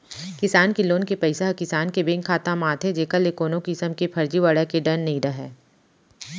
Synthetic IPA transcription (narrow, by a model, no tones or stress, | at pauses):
kɪsaːnkiloːnkepɐɪsaɦkɪsaːnkebẽːŋkʰaːt̪ãmãːt̪ʰed͡ʒeːkəlekoːnõkɪsəmkepʰɐɾd͡ʒiʋaːɽakeɖɐnːiːɾɐɦɛː